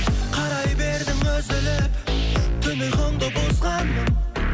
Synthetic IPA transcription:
qʰɑɾɑjbe̞ɾd̪ɪŋwɵzɪlɪpt̪ʰʏnɪχoɴd̪əbosqɑn

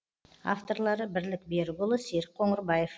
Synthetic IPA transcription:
a̰ft̪o̞ɾlˠɑɾəbɪɾlɪk̚beɾɡʊlˠəseɾ̚qʰo̞ɴəɾbɑje̞f

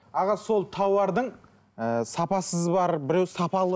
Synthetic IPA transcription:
ɑʁɑso̞lˠt̪ʰɑwɑɾd̪əɴ | əsɑpɑsəzbɑɾbɪɾewsɑpɑlˠə

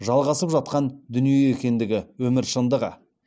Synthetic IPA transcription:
ʒɑlˠʁɑsəpʒɑt̪̚qɑnd̪ʏnijeekʲe̞nd̪ɪɡʲɪwɵmɪɾʃənd̪əʁɑ̰

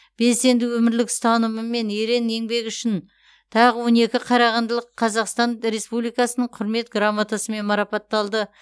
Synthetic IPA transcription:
b̥e̞se̞nd̪ɪwɵmɪɾlɪkst̪ɑnəməme̞neɾe̞ne̞ŋbe̞kʏʃɪn | t̪ʰɑʁəwo̞ne̞kʲɪqʰɑɾɑʁɑnd̪əlˠəqʰːɑzɑqst̪ɑɴɾe̞spublijkɑsənəɴqʰʊɾme̞t̪ɡramːat̪asəme̞nmɑɾɑpɑt̪ːɑlˠd̪ə

